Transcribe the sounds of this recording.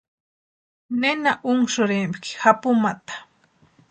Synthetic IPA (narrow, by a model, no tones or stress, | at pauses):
nenaʔʊŋʃʊɾɪmpkɪ̥xapʊmat̪ḁ